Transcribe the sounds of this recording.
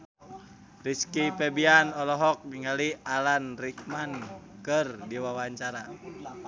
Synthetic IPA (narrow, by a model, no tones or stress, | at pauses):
riskipɛbianɔlɔɦɔk̚miŋəlialanrik̚mankɨrdiwawaɲt͡ʃaɾa